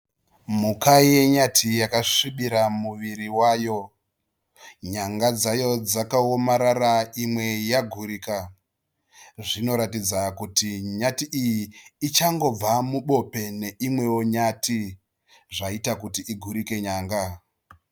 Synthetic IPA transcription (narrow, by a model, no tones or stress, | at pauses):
mukaje̞ɲatʰijakaʂiɓiɾamuʋiɾiwaːjo̞ | ɲaŋɡad͡zajo̞d͡zakaomaɾaɾaimwe̞jaɡʱuɾika | ʐino̞ɾatid͡zakutiɲatiʔijiːt͡ʃaŋɡo̞b͡vamuɓo̞pe̞ne̞imwe̞woɲatʰi | ʐaitakutiiɡʱuɾike̞ɲaːŋɡa